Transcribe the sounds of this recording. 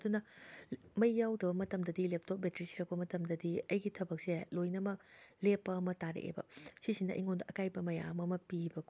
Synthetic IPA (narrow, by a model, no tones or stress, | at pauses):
ɐdunɐ | mɐjːawdɐbɐmɐtɐmdɐdilep̚tʰop̚metɾisi̥ɾɐk̚pɐmɐtɐmdɐdiɐjɡitʰɐbɐk̚selojnɐmɐk̚lepːɐːmɐtaɾḛḛbɐ̰sisinɐ̰ʔḭŋondɐʔɐkajbɐmɐja̰mɐmɐpibɐk